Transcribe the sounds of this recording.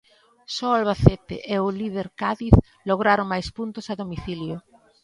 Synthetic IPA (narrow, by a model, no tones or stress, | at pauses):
sɔalβaθet̪ɪ̰ʔeʊlið̞eɾkaðiθ | loɣɾaɾʊŋmajspunt̪ʊsaðomiθiljo